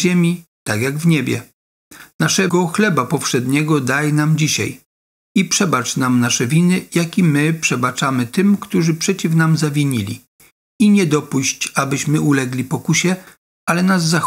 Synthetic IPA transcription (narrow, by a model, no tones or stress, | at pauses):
emʲit̪aɡjaɡvɲebʲjɛ̰ | naʂɛɡɔxlɛbapɔfʂɛd̪ɲɛɡɔd̪ajnamd͡ʑiɕa̰j | ipʂɛbat͡ʂnamnaʂɛvʲinɘjakʲimɘpʂɛbat͡ʂamɘt̪ɘmkt̪uʐɘpʂɛt͡ɕifnamzavʲiɲilʲḭ | iɲɛd̪ɔpuɕt͡ɕabɘɕmɘulɛɡlʲipɔkuɕɛ | alɛnazːax